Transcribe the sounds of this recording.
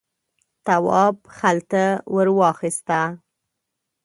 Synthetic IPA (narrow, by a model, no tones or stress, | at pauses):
t̪awɑbxalt̪awəɾwɑxist̪a